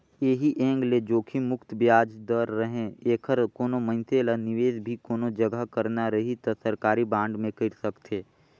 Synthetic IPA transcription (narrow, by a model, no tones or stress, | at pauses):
eːɦiʔɛ̃ːŋɡled͡ʒoːkʰimʊkt̪bjaːd͡ʒd̪əɾːəɦẽeːkʰəɾkoːnomə̃nt̪ʰelənɪʋeːd͡ʒbʱikoːnod͡ʒəɡəɦkəɾnaɾəɦit̪ɐsəɾkaːɾibãːɳɖmẽkəɾsəkt̪ʰeː